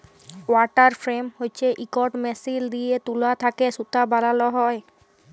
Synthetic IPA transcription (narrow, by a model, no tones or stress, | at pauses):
waʈaɾfɾemhojt͡ɕʰeʔikɔʈmɛsild̪ijet̪ulat̪ʰakesut̪abalaloɦɔe